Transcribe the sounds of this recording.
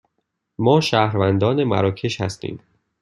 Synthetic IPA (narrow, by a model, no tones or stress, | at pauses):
mɒːʃæːhɾvænd̪ɒːnemæ̰ɾɒːcʰe̞ʃhæst̪ḭːm